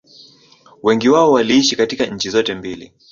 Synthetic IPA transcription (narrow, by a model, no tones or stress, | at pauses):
wɛŋɡiwaɔwaliiʃikatikaɲ̩t͡ʃizɔtɛmbilḭ